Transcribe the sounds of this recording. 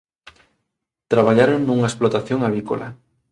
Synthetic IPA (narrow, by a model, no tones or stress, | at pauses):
t̪ɾaβaʎaɾonnuŋaesplot̪aθjoŋaβiko̰la̰